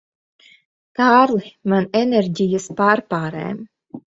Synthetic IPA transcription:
kaːɾlimaneneɾʲɟʲijaspaːɾpaːɾɛ̰ːm

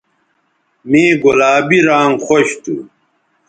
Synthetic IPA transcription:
mĩːɡolaːbiɾaːŋxoɕt̪ʰṵ

